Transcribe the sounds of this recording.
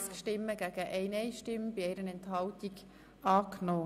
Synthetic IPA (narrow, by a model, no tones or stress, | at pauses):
skʃtɪmːəɡ̥æːɡ̥əʔɛɪnɛɪʃtɪmb̥ɪɛɪɾənɛnt̪hɑltiɡ | ɑːknoː